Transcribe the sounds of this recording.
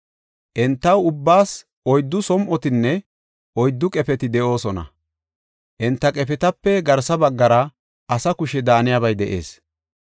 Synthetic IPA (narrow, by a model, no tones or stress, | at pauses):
ʔɛnt̪ːɐwʊbːaːs | ɔjd̪ːʊsɔmʔɔt̪ɪnːɛ | ɔjd̪ːʊkʼɛpɛt̪ɪd̪ɛʔo̞ːsɔnɐ̰ | ʔɛnt̪ːɐkʼɛpɛt̪ɐpːɛɡɐɾsɐbɐɡːɐɾɐ | ʔɐsɐkʊʃɛd̪aːnɪjaβɐjd̪ɛʔe̞̰ːs